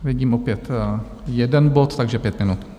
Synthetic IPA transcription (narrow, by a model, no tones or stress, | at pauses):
vɪɟiːmʔopjɛt̪ | jɛdɛnbot̪t̪ːaɡʒɛpjɛt̪mɪnut̪